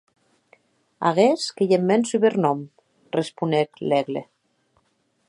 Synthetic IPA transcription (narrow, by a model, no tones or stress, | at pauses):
a̰ɣeskejemːɛnsyβeɾnɔm | respuneklɛɣlḛ